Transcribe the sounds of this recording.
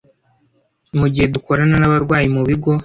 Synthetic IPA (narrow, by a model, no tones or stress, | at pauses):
muɟihe̞duko̞ɾananaβaɾɡwaːjimuβiɡo̞